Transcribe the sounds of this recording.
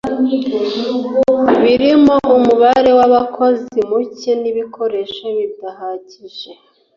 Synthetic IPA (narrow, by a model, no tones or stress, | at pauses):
βiɾimo̞ʔumuβaɾe̞waβakʰo̞zimuceniβikʰo̞ɾe̞ʃaβidahaɟiʒe̞